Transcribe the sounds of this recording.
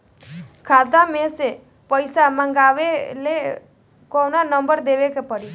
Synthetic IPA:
kʰad̪amẽse | pəjsamãŋɡaʋele | kɔnanəmbəɾd̪eʋekepəɽi

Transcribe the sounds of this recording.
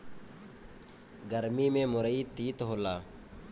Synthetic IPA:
ɡəɾmiːmẽːmʊɾəiːt̪iːt̪ɦoːlaː

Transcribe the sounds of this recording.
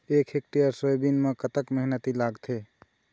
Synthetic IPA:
ekʰek̚ʈijəɾsəjbinmekət̪əkməɦnət̪ilaɡt̪ʰe

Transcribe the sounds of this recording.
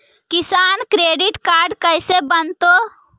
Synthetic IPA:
kɪsaːnkɾeːɖɪʈkaːɾɖkəɪsebənt̪oː

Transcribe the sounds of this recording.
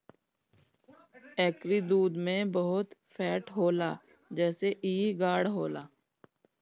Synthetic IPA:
ɛːkɾiːd̪uːd̪mẽbəɦʊt̪fʰɛːʈɦoːlaː | d͡ʒɛːseʔiːɡaːɽɦoːlaː

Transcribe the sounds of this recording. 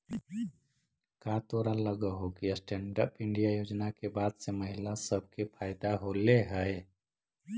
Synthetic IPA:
kat̪oɾaləɡəɦokiəsʈeɳɖə̰pɪɳɖijajod͡ʒnakebaːd̪seməɦɪlasəb̚ʱkepʰaɪd̪aɦoleɦəe

